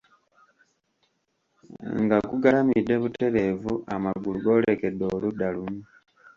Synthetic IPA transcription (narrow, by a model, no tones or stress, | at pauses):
ŋɡakuɡalamideβute̞ɾe̞vuamaɡuluɡo̞le̞ke̞do̞ludalumu